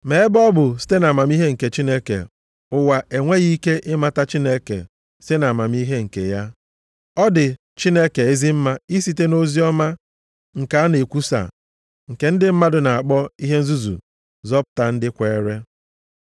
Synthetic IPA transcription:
me˨˦e˦bɔ˦bʊ˨si̥˦te˦na˨ma˨m˦i˦ɦe˦ŋ̩˨ke˨t͡ʃi˦ne˦kḛ˨ | ʊ˦wa˨ʔe˨ŋʷe˦ɣi˦ke˦ʔɪ˦ma˨ta˦t͡ʃi˦ne˦kḛ˨ | si̥˦te˦na˨ma˨m˦i˦ɦe˦ŋ̩˨kḛ˨ja˦ | ɔ˦dɪ˨ | t͡ʃi˦ne˦ke˨e˦zi˦m̩˦ma˦i˦si˦te˦no˦zi˦ɔ˦ma˦ | ŋ̩˨ka˨˦a˦ne˨kʷu˦sa̰˨ | ŋ̩˨ke˨n̩˦dɪ˦m̩˦ma˦dʊ˨na˨a˨k͡pɔ˦i˦ɦe˦n̩˦zu˦zṵ˨ | zɔ˦pʊ̥˨ta˨n̩˦dɪ˦kʷe˨˦ɾe˦

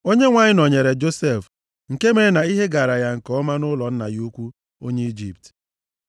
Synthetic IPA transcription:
o˦ɲe˦ŋʷa˨ɲɪ˦nɔ˨ɲe˨ɾe˨d͡ʒo˦se˦˨f | ŋ̩˨ke˦me˨˦na˨i˦ɦe˦ɡa˨ɾa˨ja˨ŋ̩˨kɔ˦ma˦nʊ˦lɔ˨n̩˦na̰˨ju˦u˦kʷu˦ | o̰˦ɲe˦i˦d͡ʒi˦˨p̚t

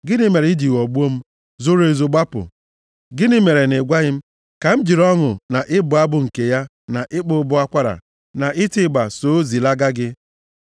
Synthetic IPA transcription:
ɡɪ˦nɪ˦me˨ɾi˦di˨wɔ˨ɡ͡bu˦o˦m̩˦ | zʊ˦ɾe˨zʊ˨ɡ͡ba˦pʊ̰˨ | ɡɪ˦nɪ˦me˨ɾe˨nɪ˨ɡʷa˦ɣɪ˦m̩˦ | ka˨m̩˦d͡ʒi˨ɾɔ˦ŋʊ˨na˨ʔɪ˦bʊ˨a˦bʊ˨ŋ̩˨ke˨ja˦ | na˨ʔɪ˦k͡pʊ˦bʊ˦a˦kʷa˦ɾa̰˨ | na˨ʔɪ˦tɪ˦˨ɡ͡ba˨so˨˦zi˨la˦ɡa˦ɡɪ˦

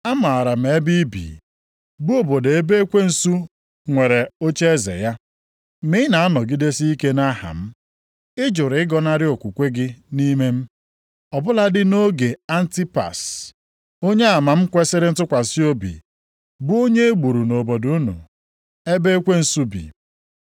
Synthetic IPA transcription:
a˦ma˨a˨ɾa˨m̩˨e˦bi˦bḭ˨ | bu˦o˨bo˨de˨e˦be˦e˦kʷe˦n̩˦su˦ | ŋʷe˨ɾe˨o˦t͡ʃe˦e˦zḛ˨ja˦ | mi˦na˨a˦nɔ˨ɡi˦de˦si˦i˦ke˦na˦ha̰˨m̩˦ | ɪ˦d͡ʒʊ˨ɾɪ˦ɡɔ˦na˦ɾɪ˦o˨kʷu˨kʷe˦ɡɪ˦ni˦me˦m̩˦ | ɔ˨bʊ˦la˦dɪ˦no˦ɡe˨a˦n̩˦ti˦pa̰˨s | o˦ɲe˦a˨ma˨m̩˦kʷe˦sɪ˦ɾɪ˦n̩˦tʊ˦kʷa˨si˦o˦bḭ˨ | bu˦o˦ɲe˦e˦ɡ͡bu˨ɾu˨no˨bo˨du˦nṵ˨ | e˦be˦e˦kʷe˦n̩˦su˦bḭ˨

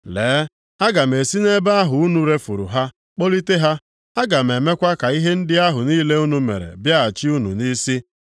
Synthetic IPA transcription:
leː˨˦ | a˦ɡa˨m̩˨e˨si˦ne˦ba˦a˦ɦʊ˨u˦nu˨ɾe˦fṵ˨ɾṵ˨ɦa˦ | k͡po˦li˦te˦ɦa˦ | a˦ɡa˨m̩˨e˨me˦kʷa˦ka˨i˦ɦe˦n̩˦dɪ˦a˦ɦʊ˨niː˦le˦u˦nu˦mḛ˨ɾḛ˨bja˦a˨t͡ʃi˦u˦nṵ˨ni˦si˦

